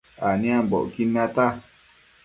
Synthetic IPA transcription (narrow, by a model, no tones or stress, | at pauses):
anĩambɔ̰kinãt̪a